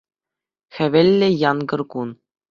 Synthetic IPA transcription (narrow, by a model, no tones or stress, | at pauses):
xʲɘ̆ʋʲĕlʲːɘ̆jɑnɡɤ̆rkun